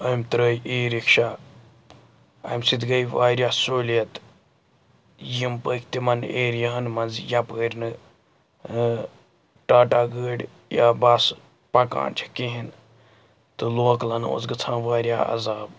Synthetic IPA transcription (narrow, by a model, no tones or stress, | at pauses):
ɐmt̪ɾəjiːɾikʃa | ɐ̰msit̪ɡɐjʋaːɾʲjaːsoːljɐt̪ | jimpəkʰt̪imɐneːɾjɐɦɐnmɐnzjapəːɾʲnɨ | ʈaːʈaːɡəːɖ | ja̰bas | pɐka̰ːɳt͡ʃʰi̥kiɦin | t̪ɨloːklɐno̰ːzɡɨt͡sʰãːʋaːɾja̰ɐ̰zaːb